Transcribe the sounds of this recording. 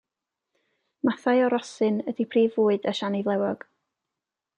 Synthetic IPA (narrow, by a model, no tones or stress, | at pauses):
maθajɔɾɔsɨnədipʰriːvʊːɨdəʃanivlˠɛwɔɡ̥